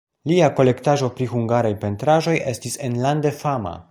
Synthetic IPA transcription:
liako̞le̞ktaʒo̞pɾixuŋɡaɾajpe̞ntɾaʒo̞je̞stise̞nlande̞fama̰

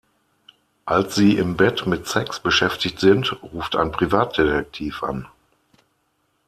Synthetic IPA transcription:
ʔalsz̥iːɪmbɛtmɪtsɛksb̥əʃɛftɪçtz̥ɪntʁuːftʰa̰ɪnpʁ̥ivaːt̚d̥etɛk̚tʰiːfʔa̰n

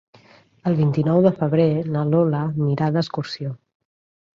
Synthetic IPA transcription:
əlˠβint̪inɔwðəfəβ̞ɾenəloləmiɾaðəskursio

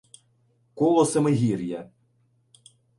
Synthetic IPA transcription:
kɔlˠɔsemɪɦʲirʲjɐ

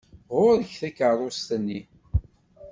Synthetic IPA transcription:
ʁʊɾəçθækərˤost̪ənːi

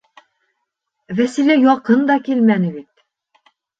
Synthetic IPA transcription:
væsilæjɒqɤnd̪ɒkilmænɘ̆bit̪

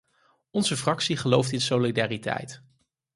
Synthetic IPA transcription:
ɔnzəfrɑksiχəlowftɪnsolidaːritɛ̰jt

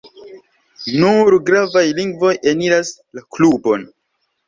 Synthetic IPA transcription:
nuɾɡɾavajliŋɡvo̞jeniɾaslaklubo̞n

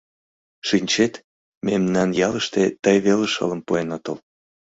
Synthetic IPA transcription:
ʃinʲt͡ɕet̪ | memnɑnjɑləʃt̪et̪əjβeləʃə̰ləmpuenot̪ə̰l

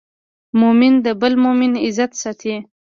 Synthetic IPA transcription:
mʊmɪnd̪əbəlmomɪnɪzat̪sat̪ʰe

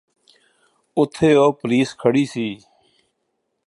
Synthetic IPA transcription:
ʊt̪ʰeːoːpəliːskʰəɽiːsiː

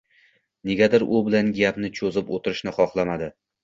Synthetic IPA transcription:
ne̞ɡʲad̪aɾʊbɪlanɡʲapnɪt͡ʃʰozɪpot̪ʰɪɾɪʃnɪχɒχlˠamad̪ɪ

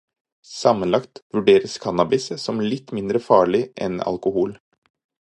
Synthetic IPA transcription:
sɑmːənlɑkt̪ʋʉɖeːɾəskʰɑnɑbɪssɔmlɪt̪ːmɪnd̪ɾəfɑːɭɪʔɛ̰nɑ̰lkʊhuːl

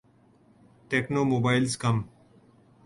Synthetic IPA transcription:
ʈeːknoːmoːbaːɪlskəm

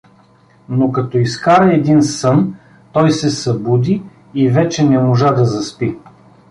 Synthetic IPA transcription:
nokɐt̪ɔiskaɾɐɛd̪insɤn | t̪ɔjsɛsɐbud̪iː | vɛt͡ʃɛnɛmoʒad̪ɐzɐspi

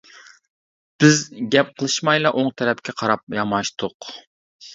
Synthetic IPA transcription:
b̥ɪzɡʲɛp̚qʰəlˠɨʃmɑjlˠɑʔoŋt̪ʰɛɾɛpkʲʰɛqʰɑɾɑp̚jɑmɑʃt̪ʰʊq

